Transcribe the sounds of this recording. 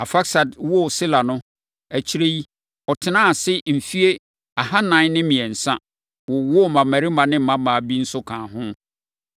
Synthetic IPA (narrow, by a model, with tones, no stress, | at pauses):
a˨fa˦ksa˨dwɔ˦˨sɪ˦la˨nʊ̃˦ | æ˨t͡ɕʰi˦ɾe˦i˦ | ɔ˨tʰɪ˨nãː˦a˨sɪ˦m̩˨fi˦e˦ | a˨ha˦nã˦nɪ̃˦mĩ˨ɛ˨n̩˨sã̰˦ | wʊ˨wɔ˦˨mã˨mæ˨ɾi˦mã˨nɪ̃˦m̩˦mã˦mã˨bi˦n̩˦sʊ˦kʰãː˨ɦʊ̃˦